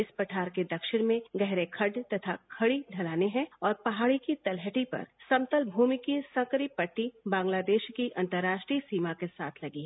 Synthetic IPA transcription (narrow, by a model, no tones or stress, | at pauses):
ɪspɐʈʰaːɾked̪ɐkʃɪɽ̃mẽɡɛɦɾekʰɐɖt̪ɐt̪ʰakʰɐɽiɖʱɐlaːneɦɛ̃ɔːɾpɐɦaːɽikit̪ɐlɦəʈipɐ̰ɾsɐ̃mt̪əlbʱuːmikisɐ̃kəɾipɐʈːibãːŋɡlaːd̪eːʃkiʔɐ̃nt̪əɾːaːʃʈɾisiːmakesa̰ːt̪ʰlɐɡiɦɛ̃ː